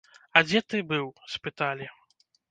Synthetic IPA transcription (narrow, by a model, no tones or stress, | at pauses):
ɐd͡zʲɛt̪ɨbɨwspɨt̪alʲi